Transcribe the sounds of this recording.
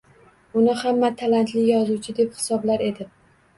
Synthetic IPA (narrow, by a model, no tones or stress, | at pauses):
ʊnɪhamːat̪ʰalant̪ʰlɪjɒzut͡ʃʰɪd̪e̞phɪ̥sɒblaɾe̞d̪ɪ